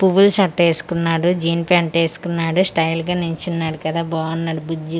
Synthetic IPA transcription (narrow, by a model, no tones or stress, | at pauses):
puʋulsɐʈːeːsu̥kunːaːɽud͡ʒiːnpaːɳʈeːsu̥kunːaːɽusʈɐjlɡaːniɲt͡ʃunːaːɽukɐd̪aːbaːɐnːaːɽubud͡ʒːi